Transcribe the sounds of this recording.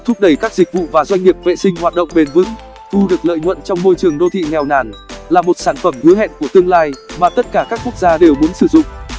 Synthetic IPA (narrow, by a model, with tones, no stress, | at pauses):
t̪ʰʊ˦˥p̚ɗə˧˩jkaː˦˥k̚zi˨˩k̟̚vṵ˧˨vaː˨˩zwa˧jŋ̟ŋi˨˩əp̚vḛ˧˨sï˧ŋ̟hwaː˨˩t̚ɗə̰˧˨wŋ͡mɓe˨˩nvɨ˨˦ŋ | t̪ʰu˧ɗɨ˨˩ək̚lə̰ː˧˨jŋwə̰˧˨nt͡ɕɔ˧wŋ͡mmo˧jt͡ɕɨ˨˩əŋɗo˧t̪ʰḭ˧˨ŋɛ˨˩wnaː˧˩nlaː˨˩mo˨˩t̚saː˧˩nfə˧˩mhɨ˨˦ɦɛ̰˧˨nku˧˩ət̪ɨ˧əŋlaː˧jmaː˨˩t̪ə˦˥t̚kaː˧˩kaː˦˥k̚ːu˦˥ək̚zaː˧ɗe˨˩wmu˨˦ənsɨ˧˩zʊ̰˧˨ŋ͡m